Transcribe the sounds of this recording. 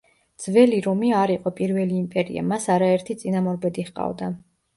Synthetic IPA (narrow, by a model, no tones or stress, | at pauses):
d̪z̥vɛliɾɔmiaɾiqʼɔpʼiɾvɛliːmpʼɛɾḭa̰masaɾaɛɾt̪ʰit̪sʼinamɔɾbɛd̪iχqʼa̰vd̪a